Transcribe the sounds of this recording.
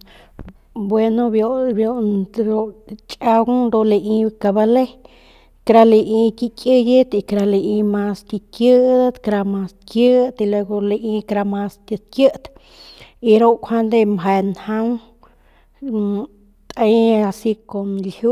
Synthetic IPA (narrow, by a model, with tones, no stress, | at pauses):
bwe˧no˧bjo˧bjo˧ɾo˧t͡ʃʼa˧w̪d̪o˧le˧ʔi˧ka˧ba˧le˦ | kɾa˧le˧ʔi˧kʲi˧kʲʼə˧je˦t̪i˧kɾa˧le˧ʔi˧ma˧st̪i˧kjə˦d̪a˦t̪kɾa˧ma˧skjə˦t̪i˧lwe˧ɡo˧le˧ʔi˧kɾa˧ma˧st̪ə˧t̪̚kjə˦ʔt̪ | i˧ɾo˦ʔkʷʰa˦nd̪e˧mɦa˧nha˦ŋ | t̪ʼe˦a˧si˧ko˨nlju˦